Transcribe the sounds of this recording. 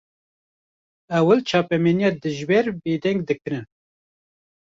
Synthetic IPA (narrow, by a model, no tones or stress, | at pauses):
ɛwəlt͡ʃʰɑːpɛmeːnijɑːd̪ɨʒbeːɾbeːd̪ɛŋɡd̪ɨkɨɾɨn